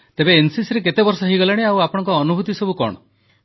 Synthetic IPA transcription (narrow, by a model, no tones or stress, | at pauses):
t̪ebeːnsisɾek̬et̪ebɔɾsɔɦejɡɔlaɽ̃eawapɔɽ̃ɔ̃ŋkɔːnubʱut̪isɔbukɔ̰ɽ̃ɔ̰